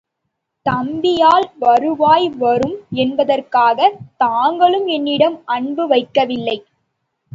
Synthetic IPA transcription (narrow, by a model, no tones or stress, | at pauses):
t̪ɐmbɪjaːlʋɐɾɯʋaːjʋɐɾɯmɛnbɐðɐrkaːɣɐt̪aːŋɡɐɭɯmɛnːɪɽɐmʔɐɳbɯʋɐɪkːɐʋɪlːɐɪ